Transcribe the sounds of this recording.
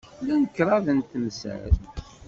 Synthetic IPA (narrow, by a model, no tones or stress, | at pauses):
lænəkːɾˤɑðənt̪əmsə̰l